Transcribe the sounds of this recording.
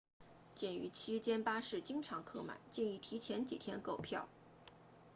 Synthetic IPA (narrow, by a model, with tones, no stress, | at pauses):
t͡ɕjɛ˥˩ny̰˧˥t͡ɕʰi˥t͡ɕjɛ˥npa˥ʂɻ̩˥˩t͡ɕi˥ŋʈ͡ʂʰɑ˧˥ŋkʰɤ˥˩ma̰˨˩˦ɪt͡ɕjɛ˥˧ni˥˩t̪ʰi˧˥t͡ɕʰjɛ˧˥nt͡ɕḭ˨˩t̪ʰjɛ˥nko˥˩ʊpʰjɑ˥˩ʊ